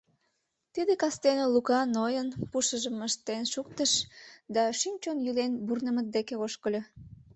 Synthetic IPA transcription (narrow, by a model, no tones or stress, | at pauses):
t̪id̪ekɑst̪enelukɑnojənpuʃəʒəməʃt̪enʃuk̚t̪əʃd̪ɑʃymt͡ɕonjylenburnəmət̪̚d̪ekeoʃkəlʲo